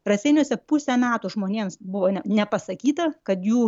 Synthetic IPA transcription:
rɐsʲɛɪnʲoːsʲɛpʊsʲɛmʲæːt̪uːʒmoːnʲeːmsbʊʋoːnʲɛnʲɛpɐsɐkʲiːt̪ɐkɐt̪juː

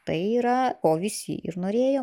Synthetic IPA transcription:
t̪ɐɪiːɾɐoːʋʲɪsʲḭʔɪ̰ɾnoːɾʲeːjoː

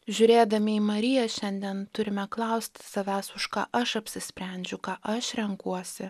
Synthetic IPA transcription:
ʒʲʊɾʲeːd̪ɐmʲɪiːmɐɾʲɪjɛʃʲɛnʲd̪ʲiɛnt̪ʊɾʲɪmʲɛklˠɐʊsʲt̪ʲsɐʋʲæːsʊʃkɑ̰ːʔɐʃɐpʲsʲɪsʲpʲɾʲɛnʲd͡ʒʲʊkɑːʔɐʃɾʲɛŋkuɔsʲɪ

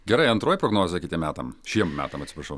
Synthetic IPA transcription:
ɡʲɛɾɐɪɐnt̪ɾoːjipɾɔɡnoːzʲjɐkʲɪt̪ʲiɛmʲæːt̪ɐmʃʲiɛmmʲæ̰ːt̪ɐmɐt̪sʲɪpɾɐʃɐʊ

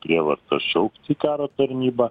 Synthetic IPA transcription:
pʲɾʲiɛʋɐɾt̪ɐʃʲɛʊkʲt̪ʲiːkɑːɾoːt̪ɐɾʲnʲiːbɐ

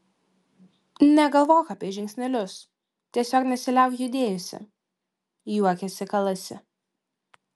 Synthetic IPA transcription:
nʲɛɡɐlˠʋoːkɐːpʲiɛʒʲɪŋʲksʲnʲɛlʲʊs | t̪ʲiɛsʲoːknʲɛsʲɪlʲɛˑʊkjʊd̪ʲeːjʊsʲɪ̰ | juɔkʲɛsʲɪkɐlˠɐsʲɪ̰

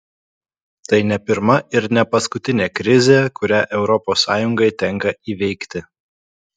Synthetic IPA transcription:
t̪ɐɪnʲɛpʲɪɾmɐɪɾnʲɛpɐskʊt̪ʲɪnʲeːkɾʲɪzʲeːkʊɾʲæːʔɛʊɾɔpoːsːɑːjʊŋɡɐɪt̪ʲɛŋkɐiːʋʲɛɪkt̪ʲɪ

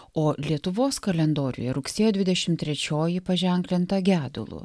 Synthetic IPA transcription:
oːlʲiɛt̪ʊʋoːskɐlʲɛnd̪oːɾʲʊ̰jɛɾʊksʲeːjoːd̪ʋʲɪd̪ʲɛʃʲɪmt̪ʲɾʲɛt͡ʃʲoːjɪpɐʒʲɛˑŋʲklʲɪnt̪ɐɡʲæːd̪ʊ̰lˠʊ̰

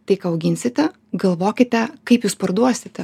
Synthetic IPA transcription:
t̪ɐɪkɑːɐʊɡʲɪnʲsʲɪt̪ʲɛ | ɡɐlˠʋoːkʲɪt̪ʲɛkɐɪpjuːspɐɾd̪uɔsʲɪt̪ʲɛ

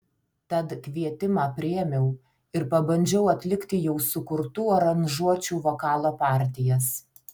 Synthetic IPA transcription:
t̪ɐt̪kʲʋʲiɛt̪ʲɪmɑːpʲɾʲɪɛmʲɛʊ | ɪɾpɐbɐnʲd͡ʒʲɛʊɐt̪ʲlʲɪkʲt̪ʲɪjɛʊsʊkʊɾt̪uːoɾɐnʲʒuɔt͡ʃʲuːʋoːkɑːlˠoːpɑːˑɾʲt̪ʲɪjɛs

